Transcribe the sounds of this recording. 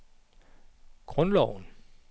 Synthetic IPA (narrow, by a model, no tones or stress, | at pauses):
ɡ̥ʁɔnlɒʊn